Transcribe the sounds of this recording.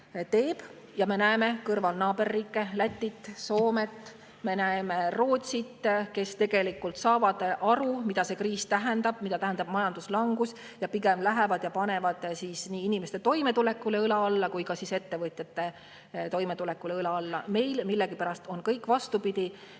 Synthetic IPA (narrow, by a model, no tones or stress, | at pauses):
t̪e̞ːb̥ | jɑme̞næeme̞kɤrvɑlnɑːbe̞rːiːkːˑe̞læt̪ʲːit̪ːˑso̞ːme̞t̪ːˑ | me̞næemero̞ːt̪ʲsit̪ke̞st̪e̞ɡ̥e̞likːult̪sɑːvɑd̪̥ʔɑɾumid̪̥ɑse̞kriːst̪æɦend̪ɑb̥mid̪ɑt̪æɦend̪ɑb̥mɑjɑnd̪uslɑŋɡ̥us | jɑpiɡe̞mlæɦe̞vɑd̪̥jɑpɑne̞vɑd̪̥siːsniːinimest̪e̞t̪o̞jme̞t̪ule̞kːˑuleɯlɑɑlːɑkujkɑsise̞t̪ːe̞vɤt̪ʲˑjɑt̪ːe̞ | t̪o̞jmet̪ulekːˑuleɯlɑɑlːɑme̞jlmilːeɡipæɾɑst̪o̞nkɤjkːˑvɑst̪upid̪̥ʲi